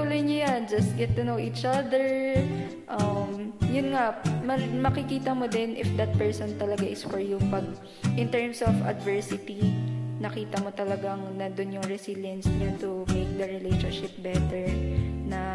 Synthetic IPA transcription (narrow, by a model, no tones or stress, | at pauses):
uːlɐjɲʊjand͡ʒɐst̪̚ɡɛt̪̚ːɪnowʔiːt͡ʃʔad̪ɛɹ | ʔɐmjʊnŋamɐmɐkɪkiːt̪ɐmod̪ɛnʔɪfd̪ɐt̪̚pɛɹsɔnt̪ɐlɐɡaʔɪsfɔɹjupɐɡ̚ | ʔɪnt̪ɛɹmsɔfɐ̰d̪vɛɹsɪt̪inɐkiːt̪ɐmot̪ɐlɐɡaŋnɐd̪ʊnjʊŋɹɛsiljɐnsɲat̪ʊmeɪk̚d̪ɐɹɪlejʃɔnʃɪp̚bɛt̪ɛɹnɐ